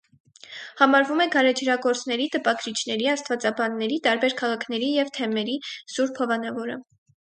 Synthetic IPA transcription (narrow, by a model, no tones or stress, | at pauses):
hɑmɑɾvumɛɡɑɾɛd͡ʒʰɾɑɡɔɾt͡snɛɾit̪əpɑɡɾit͡ʃʰnɛɾiɑst̪vɑt͡sɑbɑnːɛɾit̪ɑɾbɛɾkʰɑʁɑkʰnɛɾijɛvt̪ʰɛmɛɾisuɾpʰɔvɑnɑvɔɾə̰